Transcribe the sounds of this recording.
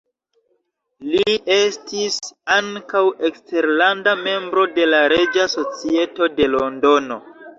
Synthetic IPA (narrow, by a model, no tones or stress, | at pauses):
lie̞stisaŋkawe̞kste̞ɾlandame̞mbɾo̞de̞laɾe̞d͡ʒaso̞t͡sie̞to̞de̞lo̞ndo̞no̞